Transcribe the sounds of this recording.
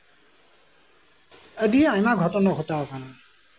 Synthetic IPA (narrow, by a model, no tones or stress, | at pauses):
ədiɛajmaɡʱɔtɔnɔɡʱɔtaɔkʰana